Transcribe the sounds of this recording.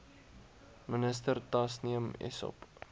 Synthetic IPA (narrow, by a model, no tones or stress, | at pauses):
mənəstərtɐsniəmɛ̰sɔ̰p